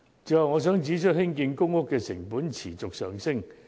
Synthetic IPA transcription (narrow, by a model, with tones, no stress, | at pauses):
t͡sɵ˨˧hwŋɔː˨˧s̬œː˨˥ŋt͡siː˨˥t͡ʃʰɵ˥t̚hɪ˥ŋkiː˧nkʊ˥ŋhʊ˥kːɛː˧sɪ̰˨˩ŋpuː˨˥nt͡sʰiː˨˩t͡sʊ˨k̚sœː˨˩ŋsɪ˥ŋ